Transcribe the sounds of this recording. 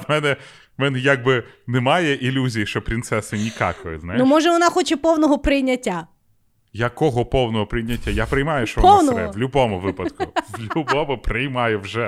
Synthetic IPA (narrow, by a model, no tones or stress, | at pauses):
mɛnɛ | mɛnɛjaɡ̚bɪnɛmɑjɛʔilʲuzʲijiʃt͡ʃɔpɾʲint̪sɛsɪnʲikɑ̰kɔjɪznajnumɔʒɛʋɔnɑxɔt͡ʃɛpɔwnɔɦɔpɾɪjnʲɐtʲːa | jɐkɔɦɔpɔwnɔɦɔpɾɪjnʲɐtʲːajapɾɪjmɑjʊʃt͡ʃɔʋɔwnɔɛʋlʲʊbɔmʊʋɪpɐd̪kʊʋlʲʊbɔmʊpɾɪjmɑjɛwʒɛ